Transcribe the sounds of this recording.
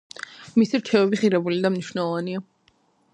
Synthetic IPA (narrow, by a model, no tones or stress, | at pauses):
misiɾt͡ʃʰɛvɛbiχiɾɛbulid̪amniʃnɛlˠɔvania